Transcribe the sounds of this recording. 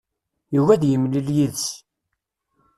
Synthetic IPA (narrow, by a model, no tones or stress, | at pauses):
juvæðjəmliljiðs